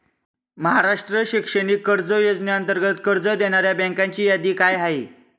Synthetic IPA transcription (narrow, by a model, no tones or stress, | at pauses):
məɦaɾaʂʈɾəɕikʂəɽiːkːəɾd͡zəjod͡znaənt̪əɾɡət̪kəɾd͡zəd̪eɽ̃aɾjabɛ̃ŋkaɲt͡ɕiːjad̪iːkajɦaɦi